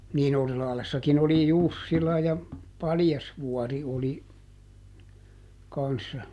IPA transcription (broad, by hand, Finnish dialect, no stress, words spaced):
niːn orislɑhlesːɑkin oli jusːilɑ jɑ pɑljɑsʋuɔri oli kɑnsːɑ